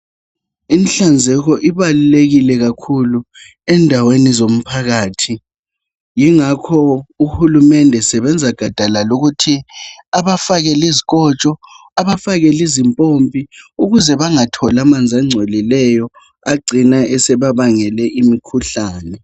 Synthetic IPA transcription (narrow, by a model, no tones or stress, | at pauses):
inɬand͡zʱɛɣɔʔiβaluleɣilɛɣakʰulu | ɛndʱawenizom̩pʰaɣaːtʰi | jiŋakʰɔuhulumɛndʱɛsɛβɛnd͡zʱaɡ̥ʱad̥ʱalaluɣutʰiaβafaɣɛliziɣ̬ʼɔt͡ʃʼɔ | aβafaɣɛlizimpʼompʼiuɣuzɛβaŋatʰɔlamand͡zʱaŋ͡ǀʱolilɛjɔ | aɡ͡ǀʱinaɛsɛβaβaŋɛlɛʔimikʰuɬaːnɛ